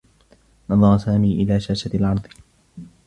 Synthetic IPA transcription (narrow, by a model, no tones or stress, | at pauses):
nɑðˤɑɾˤɑsaːmiːʔɪlaːʃaːʃalʕɑɾˤd̪ˤ